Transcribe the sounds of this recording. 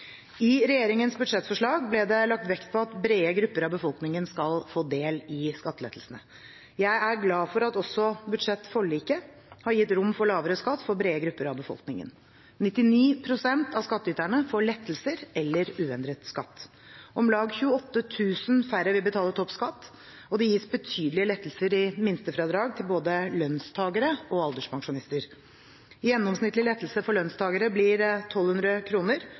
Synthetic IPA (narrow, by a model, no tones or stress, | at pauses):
ɪɾɛjeːɾɪŋənsbʉd̪ʂɛt̪ːfɔʂɭɑːɡblɛd̪ɛlɑk̚t̪ʋɛkt̪̚pʰɔɑt̪bɾeːəɡɾʉpːəɾɑʋbəfɔlknɪŋənskɑlfoːd̪eːlɪskɑt̪ːəlɛ̰t̪ʰːl̩snə | jæɪʔæɾɡlɑːfɔɾɑt̪ɔsːɔbʉd̪ʂɛt̪ːfɔɭiːkə | hɑɾjɪt̪ːɾʊmːfɔɭɑːʋəɾəskɑt̪ːfɔɾbɾeːəɡɾʉpːəɾɑʋbəfɔ̰lknɪŋə̰n | nɪt̪ːɪniːpʰɾʊsɛnt̪ɑʋskɑt̪ːəʏt̪æɳəfoːɭɛt̪ːəl̩səɾɛlːəɾʉːɛnd̪ɾət̪skɑt̪ː | ʔɔmlɑːɡçʉːəɔt̪ːət̪ʰʉːsənfæɾəʋɪlbət̪ʰɑːlət̪ʰɔpskɑt̪ː | ɔd̪ɛjiːsbət̪ʰyːd̪əlɪəlɛt̪ːl̩səɾɪmɪnst̪əfɾɑːd̪ɾɑːɡ̚t̪ʰɪlboːd̪əlœnst̪ʰɑːɡəɾəɔɑld̪əʂpʰɑŋʂʊnɪst̪əɾ | jɛnːɔmsnɪt̪lɪlɛt̪ːlsəfɔɭœnst̪ʰɑːɡəɾəblɪɾt̪ʰɔlhʉnd̪ɾəkʰɾuːnəɾ